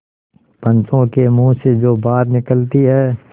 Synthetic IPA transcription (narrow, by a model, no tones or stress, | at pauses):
pə̃nt͡ʃõkemũːsed͡ʒoːbaːɾnɪkəlt̪iɦɛː